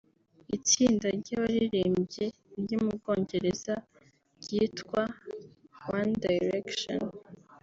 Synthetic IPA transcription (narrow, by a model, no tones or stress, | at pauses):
it͡siːndaɾɟaβaɾiɾeːmbɟe̞ | ɟumubɡo̞ːɲɟe̞ɾez̥a | ɟitkwa | wandajɾekʃo̰n